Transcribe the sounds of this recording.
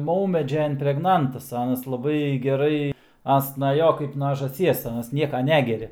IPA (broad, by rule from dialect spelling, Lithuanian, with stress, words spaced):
ˈmɐʊmʲɛd͡ʒʲɛ ɪmʲpʲrʲɛɡˈnɐntɐs ˈɑːnɐs lˠɐˈbɐɪ ɡʲɛˈrɐɪ ˈɐns nɐ ˈjoː kɐɪp nɐ ʒɑːˈsʲiɛs ˈɑːnɐs ˈnʲiɛkɐ ˈnʲæːɡʲɛrʲɛ